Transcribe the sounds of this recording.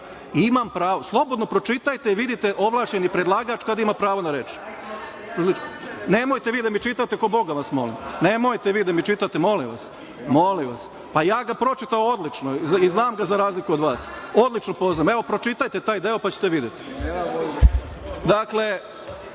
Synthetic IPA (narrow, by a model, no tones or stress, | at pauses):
imampɾaːʋo̞slˠo̞bo̞d̪nopɾo̞t͡ʃit̪ajt̪e̞iʋid̪it̪e̞ʔo̞ʋlˠaːʃt͡ɕenipɾed̪lˠaːɡat͡ʃkad̪imapɾaːʋo̞naɾeːt͡ʃ | ine̞mojt̪e̞ʋiːd̪amit͡ʃit̪at̪e̞kobo̞ɡaʋasmo̞limne̞mo̞jt̪eʋiːd̪amit͡ʃit̪at̪emo̞limʋa̰s | mo̞limʋas | pajaːɡapɾo̞t͡ʃit̪aood̪lit͡ʃnoiznaːmɡazaɾaːzlikuod̪ʋaːso̞d̪lit͡ʃnopo̞znaːmeʋo̞pɾo̞t͡ʃit̪ajt̪e̞t̪aːjd̪e̞o̞pat͡ɕe̥t̪eʋid̪jet̪i̥ | d̪akle̞